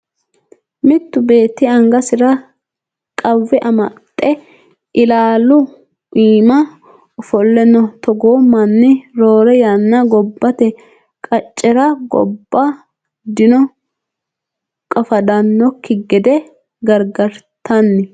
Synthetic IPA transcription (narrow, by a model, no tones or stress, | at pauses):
mɪt̪ːʊbe̞ːt̪ːɪɐŋɡɐsɪɾɐ | kʼɐwːɛʔɐmɐt̪ʼːɛ | ʔɪlaːlʊ | iːmɐ | fɔlːɛnɔt̪ɔɡoːmɐnːɪɾoːɾɛjanːɐɡɔbːɐt̪ɛ | kʼɐt͡ʃʼːɛɾɐɡɔ̰bːa | d̪ɪnɔ | kʼɐfɐd̪ɐnːɔkːɪɡɛd̪ɛ | ɡɐɾɡɐɾt̪ɐnːɪ